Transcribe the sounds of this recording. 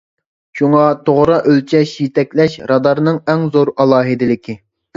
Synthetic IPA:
ʃuŋɑt̪ʰoʁɾɑʔølt͡ʃʰɛʃjit̪ɛkʲlɛʃɾɑd̪ɑɾnɨŋɛŋzoɾɑlˠɑːɦɨd̪ɪlɪkʲʰi

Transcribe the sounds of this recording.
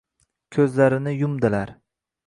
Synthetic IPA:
kʲʰɵzlaɾɪnɪjʊmd̪ɪlaɾ

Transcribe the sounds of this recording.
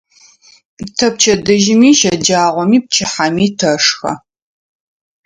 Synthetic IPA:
tʰɐp̚t͡ʃʰɐdɨʒɪmiːʃɐd͡ʒaːʁʷɔmiːp̚t͡ʃʰɪħamiːtʰɐʂxɐ̰

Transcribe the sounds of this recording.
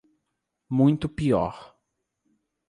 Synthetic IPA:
mũj̃t̪ʊpiɔ̰ɾ

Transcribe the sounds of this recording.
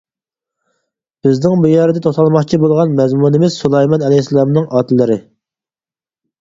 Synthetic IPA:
b̥ɪznɪŋbujɛɾd̪ɛt̪ʰoχt̪ʰɑlˠmɑχt͡ʃʰibolˠʁɑnmɛzmunɪmɪz̥sulˠɛjmɑnɛlɛjsɛlˠɑmnɨŋʔɑːt̪ʰlːɪɾɪ

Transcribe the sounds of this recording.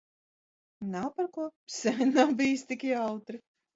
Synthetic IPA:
nawpaɾkuɔsɛnawbijst̪ikʲiawt̪ɾɨ

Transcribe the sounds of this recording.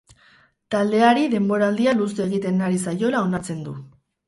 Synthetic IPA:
t̪ald̪e̞aɾiðe̞mbo̞ɾaːld̪ialuse̞ɣ̞it̪e̞naɾisajo̞lao̞naɾt͡se̞nd̪u

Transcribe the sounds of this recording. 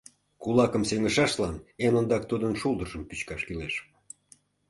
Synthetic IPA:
kulɑkəmseŋəʃɑʃlɑnenond̪ɑk̚t̪ud̪ənʃulˠd̪əʒəmpyt͡ɕkɑʃkileʃ

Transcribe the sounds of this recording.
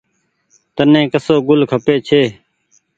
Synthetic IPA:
t̪ənẽːkəsoːɡʊlkʰəpeːt͡ʃʰeː

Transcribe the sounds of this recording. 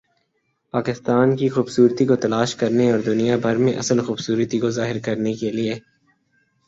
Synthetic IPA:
paːkɪst̪aːnkixuːbsuːɾt̪ikot̪ɐlaːʃkɐɾneɔːɾd̪ʊnijabʱɐɾmẽʔɐ̰səlxuːbsuːɾt̪ikozaːɦɪɾkɐɾnekelie

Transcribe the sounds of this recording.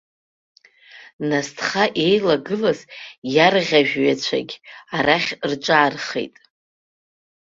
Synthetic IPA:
nastʰχaʔe̞jlaɡɨlazjarʁʲaʒᶣɥat͡ɕʷʰa̰ɡʲaraχʲrʈ͡ʂʷʼaːrχḛjtʼ

